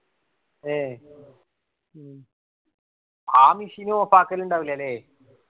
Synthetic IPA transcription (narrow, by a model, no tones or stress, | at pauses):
e | aːmisinuopːaːkːɐluɳɖaːʋilːɐːlːeː